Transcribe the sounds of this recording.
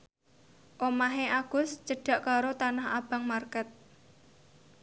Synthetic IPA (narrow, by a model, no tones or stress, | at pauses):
ʔomaɦeaɡ̥ʊ̤st͡ʃəɖ̥a̤ʔkaɾot̪anaha̰b̥a̤ŋmarkət̪̚